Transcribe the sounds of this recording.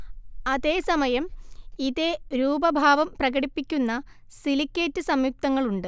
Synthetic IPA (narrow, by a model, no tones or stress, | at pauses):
ɐðe̞ːsɐmɐjɐmiðe̞ɾuːbɐbʱaːʋɐmprɐɣɐɽipːikʲːunːɐ | silikʲːetːɨsɐmjuk̚t̪ɐŋːɐɭuɳɖɨ